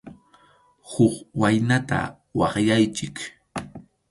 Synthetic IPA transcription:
hokwajnat̪a̰ | wɑχjajt͡ʃɪk

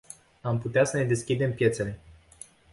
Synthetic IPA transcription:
amput̪easəne̞d̪e̞skʲid̪e̞mpje̞t̪se̞le̞

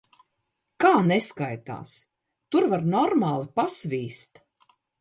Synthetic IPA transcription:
kaːneskajt̪a̰ːs | t̪uɾvaɾnɔɾmaːlˠipasvʲiːst̪

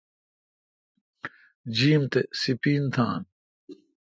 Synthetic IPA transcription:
d͡ʑiːmt̪esipiːnt̪ʰa̰ːn

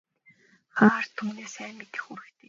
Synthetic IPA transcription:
χaːr̥t̪ʰuːneːsæːmːet̪ɘ̆xxuɾɘ̆kt̪ʰeː

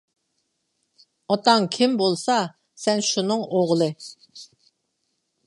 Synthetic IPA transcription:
ɑt̪ɑŋkʲʰimbolˠsɑ | sɛnʃunɨŋoʁlˠɨ

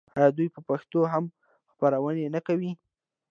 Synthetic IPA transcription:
ad̪ujpəpaxt̪oɦam | xpaɾawənenakawi

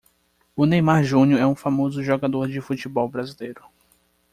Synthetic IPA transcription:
ʊnejmaɾʒũnjʊɛũfamozʊʒɔɡad̪oɾd͡ʒɪfut͡ʃɪbɔwbɾazilejɾʊ

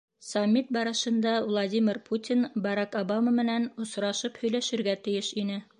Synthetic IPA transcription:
sɐmʲːit̪̚bɑɾɤ̆ʃɤ̆nd̪ɑvlˠɐd̪ʲimʲɪrpʰut̪ʲinbɑɾɑkobɑmamɘ̆nænŏsɾɑʃɤphɵ̆jlæʃɘ̆ɾɡæt̪ɘ̆jɘʃinɘ

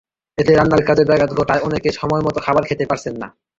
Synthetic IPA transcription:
et̪eɾanːalkad͡ʑeɾbɛɡad̪ɡʱoʈaeɔnekeʃɔmɔemɔt̪okʰabaɾkʰet̪epaɾt͡ɕʰenːa̰

